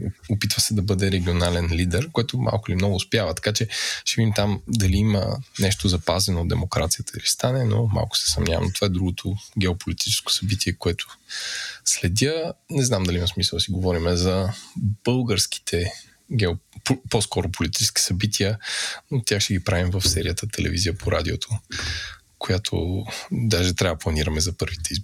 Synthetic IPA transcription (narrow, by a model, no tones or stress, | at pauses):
opit̪vəsɛd̪ɐbɤd̪ɛɾɛɡʲionalɛnlid̪ɛɾkoɛt̪ʊma̰lˠkʊilimnɔɡʊspjavət̪ɐ̥kat͡ʃɛʃɛvid̪imt̪amd̪ɐliimə̰nɛʃt̪ozɐpazɛnoːd̪d̪ɛmokɾat̪sijət̪əilist̪anɛno̰ma̰lˠkʊ̥sɛ̥sɐmnʲavɐ̰mnot̪ovaɛd̪ɾuɡʊt̪ʰoɡʲɛopolit̪i̥t͡ʃɛ̥sko̥sɐbit̪ʰiɛkoɛt̪ʰʊ̥ | slɛd̪ʲənɛznamd̪ɐliimɐsmisəlˠd̪siɡovɔɾimɛzɐb̥ɤlˠɡəɾsk̟i̥t̪ʰɛ | ɡɛoposkɔɾopolit̪i̥t͡ʃɛ̥skʲi̥sɐbit̪ʰiəot̪ʲjaxʃt̪ɛɡʲipɾavimvəfsɛɾijət̪ət̪ʰɛlɛ̰vizijəpoɾad̪ʲiot̪ʰo | kojat̪ʰo̰d̪aʒɛt̪ɾʲavplˠɐniɾɐmɛzɐpɤɾvit̪ɛizb